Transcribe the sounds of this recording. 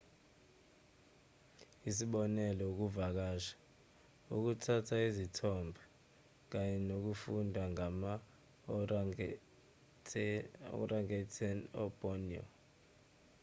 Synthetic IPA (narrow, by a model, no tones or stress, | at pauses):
isiɓɔnɛlɔuk̬uvak̬aːʃḁ | uk̬utʰatʰaizitʰɔmbʱa | k̬aɲɛnok̬ufundʱwaŋama | ɔ̰rʔaŋɛtʰɛnɔ̰bʼɔnɔ̰